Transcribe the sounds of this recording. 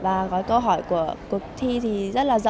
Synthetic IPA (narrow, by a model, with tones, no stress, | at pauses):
vaː˨˩ɣɔ˨˦jkə˧wɦɔ˧˩jku˧˩əku˨˩ək̚t̪ʰi˧t̪ʰi˨˩zə˦˥t̚laː˨˩zə˧